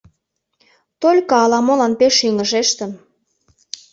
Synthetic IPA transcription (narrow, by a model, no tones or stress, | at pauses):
t̪olʲkɑɑlɑmolɑnpeʃiŋə̆ʒeʃt̪ə̆m